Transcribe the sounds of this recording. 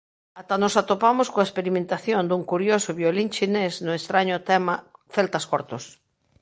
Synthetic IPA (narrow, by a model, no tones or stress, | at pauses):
at̪anosat̪opamʊskoaespeɾimẽnt̪aθjond̪uŋkuɾjosʊβjoliŋt͡ʃinesnʊest̪ɾaɲʊt̪ɛmafɛlt̪ɐskɔɾt̪ʊs